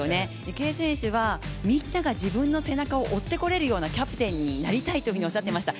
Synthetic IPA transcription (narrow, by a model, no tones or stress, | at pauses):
one̞ | ike̞ːsẽ̞ɰ̃ɕɨβ̞amʲinːaɡad͡ʑibɯ̟̃nːo̞se̞nakao̞ʔot̪ːe̞ko̞ɾe̞ɾɯ̟jo̞ːnakʲapɯ̟̥t̪ẽ̞ɲ̟ːinaɾʲit̪ait̪okʲiɲio̞ɕːat̪ːemaɕi̥t̪a